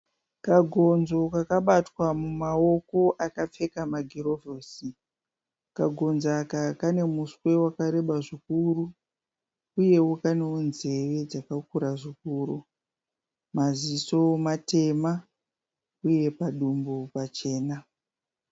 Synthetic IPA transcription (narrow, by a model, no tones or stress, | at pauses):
kaɡʱo̞nzo̞kakaɓatwamumao̞ko̞ʔakap͡fe̞kamaɡʱiro̞voːsi | kaɡʱo̞nzakakane̞muswe̞wakaɾe̞ɓaʐikuru | uje̞wukaneunze̞ʋe̞d͡zakakuɾaʐikuːɾu | maziso̞mate̞ma | uje̞paɗumbopat͡ʃe̞ːna